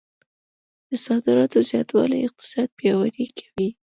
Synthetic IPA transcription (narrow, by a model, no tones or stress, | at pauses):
d̪̥əsɑd̪ɪɾɑt̪ozjɑt̪wɑ̰la̰jɪq̚t̪ɪ̥sɑd̪̚pjɑwaɾikʰḁwi